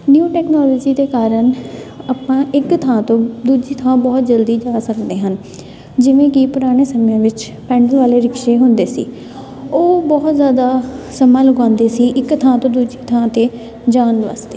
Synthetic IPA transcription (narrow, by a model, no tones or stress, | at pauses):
njuːʈɛːknɔːlɔːd͡ʒiːd̪eːkaːɾənaːpãːʔɪkt̪ʰãːt̪õːd̪uːd͡ʒiːt̪ʰãːbɔːt̪̚d͡ʒəld̪iːd͡ʒaːsəkd̪eːɦən | d͡ʒɪʋẽːkipʊɾaːɽ̃eːsəmjãːʋɪt͡ʃ | pɛ̃ːɳɖəlʋaːleːɾɪkʃeːɦʊnd̪eːsḭː | oːbɔːt̪zjaːd̪aːsəmãːlʊɡãːnd̪eːsiːʔɪkt̪ʰãːt̪õːd̪uːd͡ʒiːt̪ʰãːt̪eː | d͡ʒaːnʋa̰ːst̪e̥ː